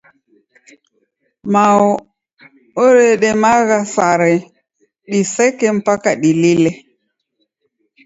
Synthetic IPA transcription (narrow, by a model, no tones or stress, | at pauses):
maɔ | oɾɛɗɛmaɣasaɾɛ | ɗisɛkɛm̩pakaɗililɛ